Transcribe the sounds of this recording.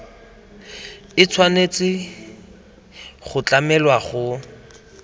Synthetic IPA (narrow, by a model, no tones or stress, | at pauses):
ɪt͡sʰwanet͡sʼɪ | χʊt͡ɬamɛlwaχʊ